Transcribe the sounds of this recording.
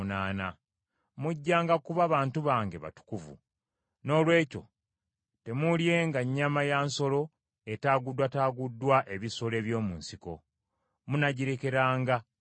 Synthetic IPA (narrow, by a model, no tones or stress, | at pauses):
naːna | muɟːaːŋɡakuβaβaːntuβaːŋɡe̞βa̰tu̥kuvṵ | no̞ːlwe̞ːco̞̰ | te̞mulje̞ŋɡaɲːamajaːnso̞lo̞ | e̞taːɡudːwataːɡudːwaʔe̞βiso̞le̞ːβjo̞ːmuːnsiko̞̰ | munaɟiɾe̞ke̞ɾaːŋɡa